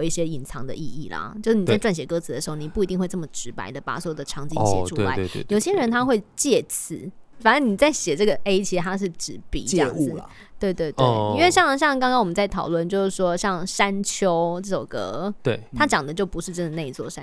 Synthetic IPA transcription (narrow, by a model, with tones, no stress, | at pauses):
i˥˩ɕjɛ˥i˨˩nt͡sʰɑ̰˧˥ŋd̪ə̰˧i˥˧i˥˩lɐ̰˩t͡ɕjo˥˧ʂ̩˥˩ni˨˧t͡sa˥˧ɪʈ͡ʂwa˥˩nɕjɛ˧˥kɤ˧˥t͡sʰɨ˧˥d̪ə˩ʂɻ̩˧˥xo˥˩ni˨˩pu˥˩i˧t̪i˥˧ŋxwe˥˧ɪʈ͡ʂə˥˩mə˩ʈ͡ʂɻ̩˧˥pa̰˧˥ɪd̪ə˧˩pa̰˨˩swjd̪ə˦˧ʈ͡ʂʰɑ˧˥ŋt͡ɕi˥ɕjɛ̰˨˧ʈ͡ʂʰu˥we˥˧la˦ḛ˥˩˥jjo˨˩ɕjɛ˥ɻə˧˦nt̪ʰa˥xwe˥˧ɪt͡ɕjɛ˥˩t͡s̩ʰ˧˩˦fa˨˩nə˧˦˥ni˨˩t͡sa˥˩ɪɕjɛ˨˩ʈ͡ʂɤ˥˩ɡə˩ʔe˥ɪt͡ɕʰi˧˥ʂɻ̩˧t̪ʰa˥ʂ̬ɻ̩˥˩ʈ͡ʂɻ̩˧˥pḭ˨˥ə˥jɑ̰˥˩ŋz | t̪we˥˧ɪt̪we˥˧ɪtwe˩ɪi˥nwe˥˧ɕjɑ˥˧ŋɕjɑ˥˩ŋkɑ˥ŋkɑ˥ŋwɔ˨mə˦nt͡sa˥˩ɪt̪ʰɑ˨˩ʊlwə˥˩nt͡ɕjo˥˧ʊʂɻ̩˥˩ʂwɔ˥ɕjɑ˥˩ŋʂa˥nt͡ɕʰjo˥ʊʈ͡ʂɤ˥˩ʈ͡ʂo˨˩ʊkɤ̰˧˥t̪we˥˩a˥t͡ɕjɑ˨˩ŋd̪ə˦t͡ɕjo˥˩ʊpu˧˥ʂɻ̩˥˧ʈ͡ʂə˥nd̪ə˨na˥˧i˧t͡swɔ˥˩ʂa˦